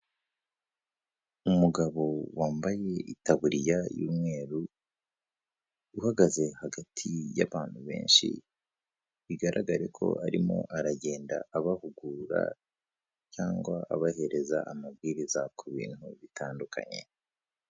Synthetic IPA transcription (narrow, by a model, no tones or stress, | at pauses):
umuɡaβo̞waːmbaje̞itaβuɾijajṵmŋe̞ːɾu | uhaɡaze̞haɡatʰijaβaːn̥huβe̞̰ːnʃḭ | βiɡaɾʔaɡaɾe̞kʰo̞̰aɾimo̞̰ʔaɾaɟe̞ːnda̰ːβahuɡuɾa̰ | caːŋɡwa̰ːβahe̞ɾe̞zaʔːmabɡiːɾizakʰuβḭːn̥huβitʰaːndukʰa̰ɲe̞̰